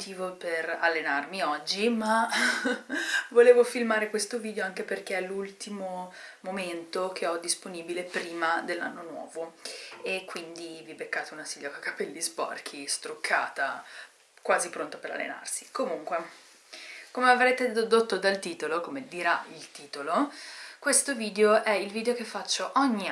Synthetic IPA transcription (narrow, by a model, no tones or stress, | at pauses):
t̪iːvoperalːenarmiɔd͡ʒːima | voleːvofilmaːɾekwest̪oviːd̪ejoaŋk̟eperkeɛlːult̪imomoment̪ok̟ʰeɔd̪ːisponiːbilepɾiːmad̪elːa̰nːonwɔ̰ːvoekːwind̪ivibekːaːt̪eunasiʎːakakḁpɛlːispɔ̰rk̟ʰist̪ɾokʰːa̰ːt̪a | kwaːzipɾont̪opeɾa̰lːḛna̰rsi̥komuŋkwe | komeavɾɛːt̪ed̪od̪ot̪ːod̪alt̪iːt̪olokomed̪iɾailt̪iːt̪olokwest̪oviːd̪eoʔɛilviːd̪eokefːat͡ʃːoʔɔɲːi